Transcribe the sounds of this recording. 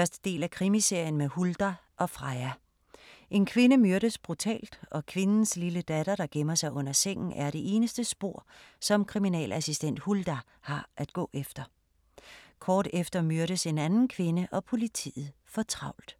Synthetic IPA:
fɶɐsd̥ə̥d̥e̝̰ːlækʰʁimise̝ɐ̰jən̩mehuld̥æ | ʔɒ̽fʁɑ̈ɪæ | ʔe̝nkʰʋe̝nəmyɐɾ̥əsb̥ʁut͡sʰɛ̰ːld̥ʔɒ̽kʰʋe̝nn̩sliləd̥æɾ̥ɐɾ̥ɑ̈ɡ̥emɐsɑ̈ɪʔɔ̽n̰ɐseŋ̰n̩æɐɾ̥e̝ʔe̝ːnəsd̥əsb̥o̝̰ɐ̰sɒ̽mkʰʁiminɛ̰ːlæsisd̥en̰d̥huld̥æ | hɑ̈ʔæd̥̚ɡ̥ɔ̰̽ːʔefd̥ɐ | kʰɒːd̥efd̥ɐmyɐɾ̥əse̝nænn̩kʰʋe̝nəʔɒ̽pʰo̝lit͡sʰḭːð̩ˠ | fɒ̽t͡sʰʁɑ̈ʊ̰ld̥

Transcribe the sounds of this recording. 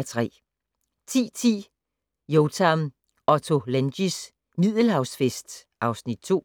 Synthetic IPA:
t͡sʰʁɛ̰ː | t͡sʰḭːt͡sʰḭː | joʊt͡sʰæm | ɒ̽t͡sʰo̝lænɕis | nið̰ˠəl̩hɑ̈ʊsfesd̥ | ʔɑ̈ʊsnid̥̚t͡sʰo̝̰ː

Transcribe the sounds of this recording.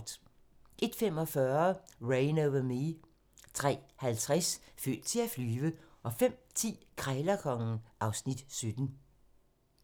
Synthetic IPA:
d̥ | ʔe̝d̥fem̰ɒ̽fɶɐʁeɪnoʊʋɐmi | t͡sʰʁɛ̰ːhælt͡sʰʁasfø̰ːd̥̚t͡sʰe̝æflyːʋəʔɒ̽fem̰t͡sʰḭːkʰʁalɐkʰɒ̽ŋ̩ʔɑ̈ʊsnid̥sød̥n̩

